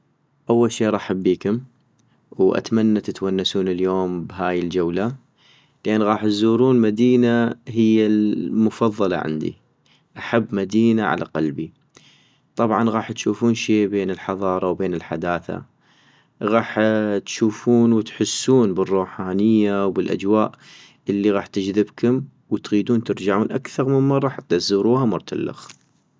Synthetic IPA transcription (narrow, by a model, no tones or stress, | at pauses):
ʔawːalʃiːʔɾˤɑːʔħabːiːkʊm | wʔa̰t̪manːat̪ɪt̪wanːasuːnɪljoːmbɦaːjɪld͡ʒawla | lʔaːnːɣɑːħt̪zuːɾuːnmad̪iːnaɦɪjːalmʊfɑðˤːɑlɑ̰ʕa̰nd̪ḭ | ʔaħabːmad̪iːnaʕa̰lʔa̰qalbi | t̪ˤɑbʕɑnɣɑːħt̪ʃuːfuːnʃeːbeːnɪlħɑðˤɑːɾˤɑwbeːnɪlħa̰d̪aːθa̰ | ɣɑːħt̪ʃuːfuːnwt̪ħʊsːuːnbɪrˤːuːħaːnɪjːawbɪlʔa̰d͡ʒwaːʔ | ʔɪlːiɣɑːħt̪ɪd͡ʒðɪbkʊm | wɪt̪ɣiːd̪uːnt̪ɪɾd͡ʒaʕuːnʔakθɑɾˤmɪnmɑrˤːɑːħt̪ːazuːɾuːhamʊɾˤt̪ʰa̰lːa̰x